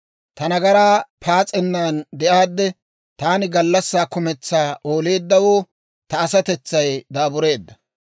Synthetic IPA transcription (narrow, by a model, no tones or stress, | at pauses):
t̪ɐnɐɡɐɾaːpʰaːt͡sʼɛnːaːnd̪ɛʔaːd̪ːɛ | t̪aːnɪɡɐlːɐsːaːkʊmɛt͡sːaːo̞ːle̞ːd̪ːɐwoː | t̪ɐːsɐt̪ɛt͡sːɐjd̪aːbʊɾe̞ːd̪ːɐ